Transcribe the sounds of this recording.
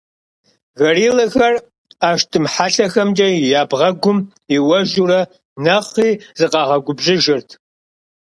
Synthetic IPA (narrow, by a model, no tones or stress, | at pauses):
ɣɐriːlɐxɐr | aːʃtʰɨmħaɬɐxɐmd͡ʒʼɐjaːbʁɐɡʷʊm | iwɐʒuːɾɐ | nɐχiːzɨqɑːʁɐɡʷʊbʑɪʒɪrtʰ